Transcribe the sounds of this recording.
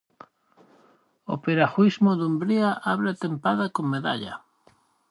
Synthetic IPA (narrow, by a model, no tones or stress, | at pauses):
o̰peɾaxwizmoðumbɾiaʔaβɾat̪empaðakoŋmːeða̰ʎa̰